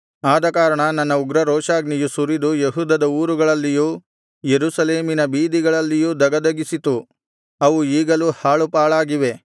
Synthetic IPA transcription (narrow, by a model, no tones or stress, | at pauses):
aːd̪ɐkaːɾɐɳɐnɐnːɐuɡɾɐɾoːʃaːɡnijusuɾid̪ujeɦuːd̪ɐd̪ɐuːɾuɡɐɭɐlːijuː | jeɾusɐleːminɐbiːd̪iɡɐɭɐlːijuːd̪ɐɡɐd̪ɐɡisit̪u | ɐʋuiːɡɐluhaːɭupaːɭaːɡiʋe̞